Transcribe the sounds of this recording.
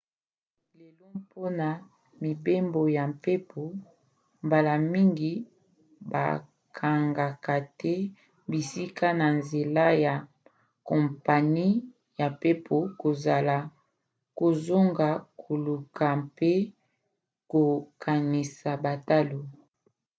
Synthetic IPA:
le˨lo˦po˦na˨ | mi˨be˦mbo˨ja˨mpe˦pʰo˨ | mba˨la˨mi˦ŋɡi˨ | ba̰˨ | kʰa˨ŋɡa˨ka˨tɛ˦ | bi˨si˦ka˦na˨nze˨la˦ja˨ | kɔ˨mpa˨ni˦ | ja˨pe˦pʰo˨ko˨za˨la˨ | ko˨zo˦ŋɡa˨kʰo˨lu˨ka˨pe˦ | ko˨kʰa˨ni˨sa˨ba˨ta˦lo˨

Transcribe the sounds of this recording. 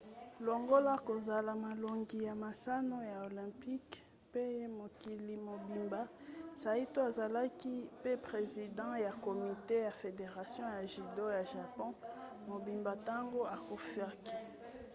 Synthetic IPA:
lo˨ŋɡo˦la˦ko˨za˨la˨ma˨lo˨ŋɡi˨ja˨ma˨sa˦no˦ja˨o˨lɛ̃˨pi˦k | pe˦mo˨ki˨li˨mo˨bi˨mba˦sa˨i˦to˦a˨za˨la˦ki˦pe˦pʁe˨zi˨dɑ̃˦ja˨ko˨mi˨te˦ja˨fe˨de˨ʁa˨sjɔ̃˦ja˨ʒi˨do˦ja˨ʒa˨pɔ̃˦ | mo˨bi˨mba˨ta˦ŋɡo˦a˨ko˨fja˦ki̥˦

